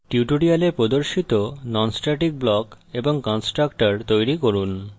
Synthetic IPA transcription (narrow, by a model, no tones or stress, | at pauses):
ʈjuʈoɽialepɾod̪oɾʃit̪onɔnsʈaʈik̚blɔk | eboŋkɔnsʈɾakʈaɾt̪ojɾikoɾun